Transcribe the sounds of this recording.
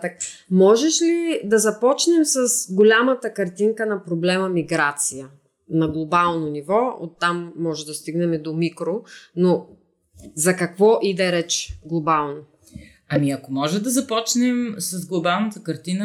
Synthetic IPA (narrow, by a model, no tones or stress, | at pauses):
t̪ək̚mɔʒɛʃlid̪ɐzɐpɔt͡ʃnɛmsɐsɡolʲamət̪əkɐɾt̪iŋkənɐpɾoblɛməmiɡɾat̪sijə | nɐɡlˠobalˠnonivɔo̰t̪ːamːɔʒɛd̪ɐst̪iɡnɛmɛd̪omikɾono | zɐkɐkvɔʔid̪ɛɾɛt͡ʃɡlˠobalˠno | ɐmiɐkomɔʒɛd̪ɐzɐpɔt͡ʃnɛmsɐzɡlˠobalˠnɐt̪əkɐɾt̪inə